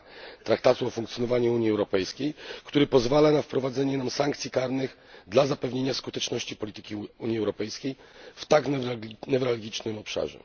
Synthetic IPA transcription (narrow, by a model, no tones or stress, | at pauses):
t̪ɾak̚t̪at̪uɔfuŋkt̪sjɔnɔvaɲuuɲiɛwɾɔpɛjskʲejkt̪uɾɘpɔzvalanafpɾɔvad̪zɛɲɛnamsaŋkt̪sʲikaɾnɘɣ | d̪lazapɛvɲeɲaskut̪ɛt͡ʂnɔɕt͡ɕipɔlʲit̪ɘ̥kʲiuɲiɛwɾɔpɛjskʲejft̪aknvʲnɛvɾalɡʲit͡ʂnɘmɔpʂa̰ʐɛ̰